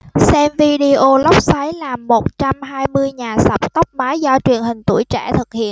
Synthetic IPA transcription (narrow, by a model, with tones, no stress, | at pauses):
sɛ˧mvi˧ɗi˧ʔo˧lə˦˥wk͡p̚sa˨˦jlaː˨˩mːo˨˩t̚t͡ɕa˧mɦaː˧jmɨ˧əjɲaː˨˩sə˨˩k͡p̚t̪ə˦˥k͡p̚maː˨˦jzɔ˧t͡ɕwi˨˩ənhï˨˩ŋ̟t̪ṵ˧˩əjt͡ɕɛ̰˧˩t̪ʰɨ˨˩k̚hḭ˧˨ən